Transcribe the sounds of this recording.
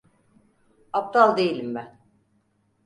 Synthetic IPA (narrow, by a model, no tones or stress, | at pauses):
ap̚t̪alˠd̪ejilʲimːɪ